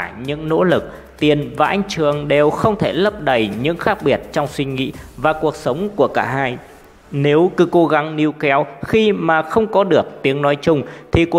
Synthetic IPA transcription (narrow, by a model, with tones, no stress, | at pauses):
ɲɨ̰˧˥ŋno̰˧˥lɨ˨˩k̚ | t̪i˨˩ənvaː˨˩ʔa˧jŋ̟t͡ɕɨ˨˩əŋɗe˨˩wxə˧wŋ͡mt̪ʰe˧˩lə˦˥p̚ɗə˨˩jɲɨ̰˧˥ŋxaː˦˥k̚ɓi˨˩ət̚t͡ɕɔ˧wŋ͡mswï˧ŋ̟ŋḭ˧˥vaː˨˩ku˨˩ək̚sə˨˦wŋ͡mku˧˩əkaː˧˩haː˧j | ne˨˦wkɨ˨˦ko˨˦ɣa˨˦ŋni˧əwkɛ˨˦wxi˧maː˨˩xə˧wŋ͡mkɔ˨˦ɗɨ˨˩ək̚t̪i˨˦əŋnɔ˨˦jt͡ɕʊ˧ŋ͡mt̪ʰi˨˩k